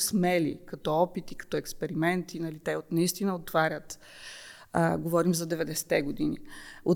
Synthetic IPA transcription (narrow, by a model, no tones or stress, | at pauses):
smɛlḭkɐt̪ɔɔpit̪ikɐ̥t̪ɔɛkspɛɾimɛnt̪inɐlit̪ɛot̪nɐist̪inəot̪ːvaɾʲət̪ | ɡovɔɾimzɐd̪ɛvɛd̪ɛsɛ̥t̪ɛɡʊd̪inḭo